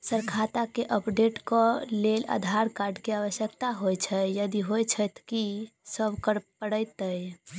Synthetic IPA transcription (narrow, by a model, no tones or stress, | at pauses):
səɾkʰat̪akeʔəpɖeʈkɔlela̰d̪ʱaɾkaɾɖkeaʋəsjəkt̪aɦojt͡ʃʰəjjəd̪iɦojt͡ʃʰət̪ʰkisəbkəɾpəɽəjt̪əj